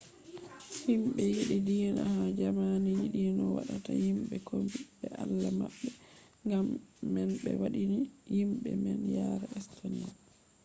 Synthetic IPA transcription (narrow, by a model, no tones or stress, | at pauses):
himɓɛjiɗidinahad͡ʒamanijiɗinɔwa̰ɗatahimɓɛkʰombiɓɛʔalːamaɓːɛ | ŋɡamːɛnɓɛ̰waɗinijimɓɛmɛnjaɾɛɛstʰonia